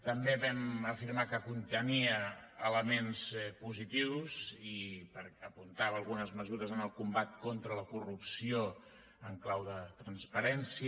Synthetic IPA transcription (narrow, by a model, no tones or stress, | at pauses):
t̪əmbeβɛməfiɾmakəkunt̪əniəːləmenspuzit̪iwzipəɾəpunt̪aβəːlˠɣunəzməzuɾəzənəlˠkumbat̪̚kont̪ɾələkurupsio | əŋklawðət̪ɾənspəɾɛnsi